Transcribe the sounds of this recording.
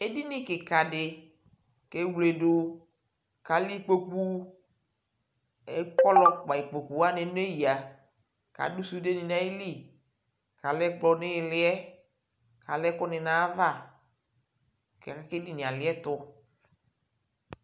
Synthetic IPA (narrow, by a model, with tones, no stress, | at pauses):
e˦di˦nɪ̃˦kɪ˨ka˨dɪ˨ | ke˦wle˨dʊ˦ | ka˨li˦k͡po˦k͡pu˦ | e˦kɔ˦lɔ˦k͡pa˨i˨k͡po˨k͡pu˨˦a˦nɪ˨n˦e˦ji˨a˨ | ka̰˨du˦su˦de˦nĩ˨nã˦i˦li˦˨ | ka˨lɛ˦ɡ͡blɔ˨nɪ˦ɪ˨lɪ˦ɛ˦ | ka˨lɛ˦kʊ˦nɪ˨nã˦va˦˨ | kɛ˨kɛ˦ke˦di˦nĩ˨a˨lɪ˨˦ɛ˦t̪ʊ˦